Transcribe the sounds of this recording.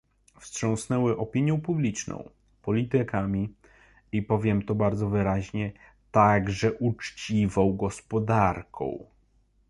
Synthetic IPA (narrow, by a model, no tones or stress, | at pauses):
fstʂɔ̃w̃snɛwɘʔɔpʲiɲjɔ̃w̃publʲit͡ʂnɔ̰̃w̃ | pɔlʲit̪ɘkamʲi | ipɔvʲjɛmt̪ɔbaɾd̪zɔvɘɾaʑɲɛ | t̪aɡʐɛʔut͡ʂt͡ɕivɔ̃w̃ɡɔspɔd̪aɾkʰɔ̰̃w̃